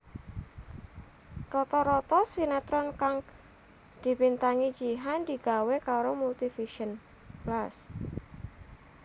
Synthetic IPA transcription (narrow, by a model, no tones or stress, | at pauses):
rɔt̪ɔɾɔt̪ɔsinɛt̪ɾɔnkaŋ | d̪̥i̤pint̪aŋid͡ʒiɦand̪iɡ̥a̤wekaɾomult̪ifiʃən | plas